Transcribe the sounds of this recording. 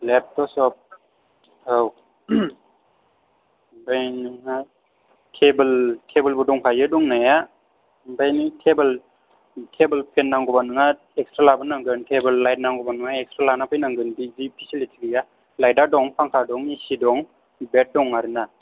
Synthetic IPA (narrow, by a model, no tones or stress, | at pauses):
lep̚tɔsɔp̚ | haw | bajnɯŋa | tʰebəltʰebəlbɔdɔŋpʰajɯdɔŋnaja | bajnɯtʰebəl | tʰebəlpʰenːaŋɡɔbanɯŋa | ekstɾalabɯnaŋɡɯntʰebɯlːajt̚naŋɡɔbanɯŋaekstɾalanapʰɯjnaŋɡɯndizipʰisilitʰiɡija | lajdaɾdɔŋpʰaŋkʰadɔŋisidɔŋ | bet̚dɔŋaɾɯna